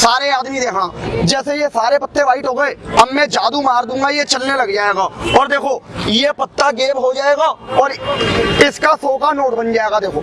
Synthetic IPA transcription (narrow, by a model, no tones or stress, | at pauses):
saːɾeaːd̪mid̪eːɦãd͡ʒɛːsejesaːɾepɐt̪ːeʋaːɪʈɦoːɡəeːɐbmɛ̃d͡ʒaːd̪umaːɾd̪ũːŋɡajet͡ʃɐlnelɐɡd͡ʒaːeːɡaːɔːɾd̪eːkʰoːjepɐt̪ːaɡeːbɦod͡ʒaːeːɡaːɔːɾ | ɪskasoːkanoːʈbɐ̃nd͡ʒaːeːɡad̪eːkʰoː